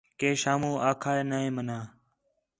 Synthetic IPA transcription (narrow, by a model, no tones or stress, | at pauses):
keːʃaːmũːʔaːkʰaːeːnaːẽːmənaː